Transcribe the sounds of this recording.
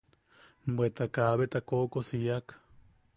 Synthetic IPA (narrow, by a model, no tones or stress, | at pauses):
bwet̪akaβet̪akokosiak